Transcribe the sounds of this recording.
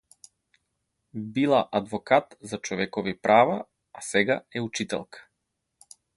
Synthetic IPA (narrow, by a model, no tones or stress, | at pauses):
bilˠaʔad̪vɔkat̪zat͡ʃɔvɛkɔvipɾʔava | asɛɡaɛut͡ʃit̪ɛ̰lˠkḁ